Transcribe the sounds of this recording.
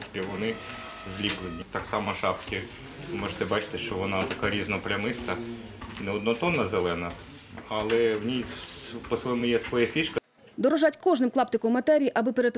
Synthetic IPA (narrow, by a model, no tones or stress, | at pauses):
spʲiʋɔnɪ | zʲlʲiplˠenʲit̪ɑksɑmɔʃɑpkʲi | mɔʒt̪ɛbɑt͡ʃɪ̥t̪ɪʃt͡ʃɔʋɔnɑt̪ɐkɑɾʲiznɔpɾʲɐmɪst̪ɐ | nɛɔd̪nɔt̪ɔnːɐzelˠɛnɐ | ɐlˠɛwnʲispɔsʋɔjɛmʊjɛsʋɔjafʲiʃkɐ | d̪ɔɾɔʒɑtʲkɔʒnɪmklˠɑpt̪ɪkɔmːɐt̪ɛɾʲijiʔɐbɪpeɾet̪